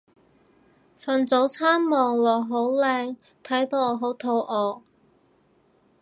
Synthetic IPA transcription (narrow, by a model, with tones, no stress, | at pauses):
fɐ˨nt͡so˨˥wt͡sʰaː˥mːɔː˨˩ŋlɔː˨˩ɦo˨˥wlɛː˧ŋ | t̪ʰɐ˨˥jt̪o˨˥wɔː˨˧ɦo˨˥wt̪ʰo˧wʔɔː˨˧